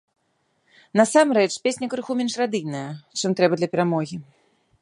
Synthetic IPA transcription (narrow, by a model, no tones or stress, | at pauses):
nasamɾɛt͡ʂpʲesʲnʲɐkɾɨxumʲɛnʂrad̪ɨjnɐjɐt͡ʂɨmt̪ɾɛbɐd̪lʲɐpʲɛɾamɔɣʲi